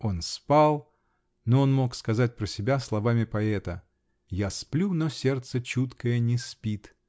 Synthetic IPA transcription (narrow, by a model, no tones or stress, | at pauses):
o̞nspalˠ | noonmo̞kskɐzat̚ʲpɾəsʲɪbʲaslˠɐvamʲɪpɐɛt̪ə | jasplʲunosʲert̪sət͡ɕut̪kəjənʲɪspʲit̪